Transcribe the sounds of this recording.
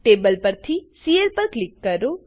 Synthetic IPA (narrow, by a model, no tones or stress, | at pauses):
ʈebəlpəɾt̪ʰisielpəɾklikːəɾo